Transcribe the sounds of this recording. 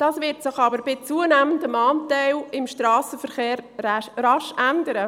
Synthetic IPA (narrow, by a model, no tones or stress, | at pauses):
d̥ɑːsvɪɾtsɪχɑbəɾb̥ɪt͡suənæːməndəmɑːntɛɪlɪmʃtɾɑːsəfəɾχeːɾrɑʃʔændəɾə